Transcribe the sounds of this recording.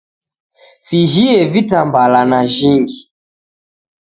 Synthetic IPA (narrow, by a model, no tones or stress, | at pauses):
siʒiɛvitambalanaʒiŋɡi